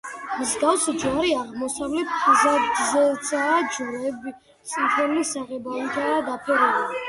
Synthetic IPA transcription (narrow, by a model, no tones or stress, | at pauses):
mzɡafsd͡ʒaɾiaʁmɔsavlɛt̪ʰzazɛsʰaːd͡ʒuɾɛbi | t̪sʼint̪ʰɛnlisaʁɛbait̪ʰad̪apʰɛɾɛba